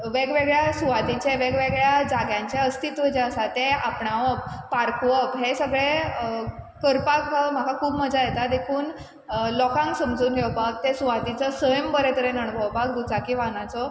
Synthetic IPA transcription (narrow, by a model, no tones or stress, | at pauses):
ʋeɡʋeɡɭjasuʋad̪it͡ɕeʋeɡʋeɡɭjad͡zaɡjãɲt͡ɕeəst̪it̪ʋəd͡ʑeəsat̪eapɳaʋəppaɾkʋəpɦesəɡɭe | kəɾpakɦəm̤akakʰuːbməd͡zajet̪ad̪ekʰuːn | lɔkãŋksəmd͡zuːnɡʱewpak̚t̪esuʋad̪it͡səsəjəmbəɾet̪əɾenəɳbʱəwpak̚d̪ut͡sakiʋanat͡sɔ